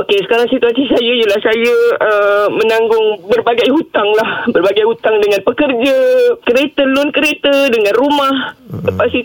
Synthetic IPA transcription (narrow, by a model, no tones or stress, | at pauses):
okesə̥kaɾaŋsit̪uasisajəjəlahsajəəmə̃nãŋɡʊŋbərbaɡajɦut̪aŋlahbərbaɡajhut̪aŋdəŋãnpəkərd͡ʒəkəɾet̪əlʊnkəɾet̪ədəŋãnrumahəpast̪i